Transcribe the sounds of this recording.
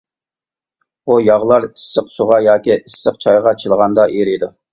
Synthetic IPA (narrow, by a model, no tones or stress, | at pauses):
bujɑʁlˠɑɾisːəqsuʁɑjɑːkʲiʔisːəqt͡ʃʰɑjʁɑt͡ʃʰɨlˠʁɑnd̪ɑʔiɾijd̪u